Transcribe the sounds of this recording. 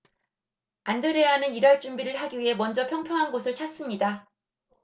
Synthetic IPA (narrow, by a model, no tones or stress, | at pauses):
andɯɾe̞anɯniɾwʌɭt͡ɕ͈umbiɾɯɭɦaɡiɥiɦe̞mwʌnd͡ʑʌpʰjʌŋpʰjʌŋɦanɡosʰɯɭt͡ɕʰas͈ɯmɲida